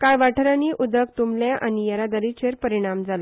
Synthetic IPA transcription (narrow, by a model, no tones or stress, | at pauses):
kajʋaʈʰəɾaniʔud̪əkt̪umlaʔanijaɾad̪əɾit͡ɕeɾpəɾiɽ̃amd͡zala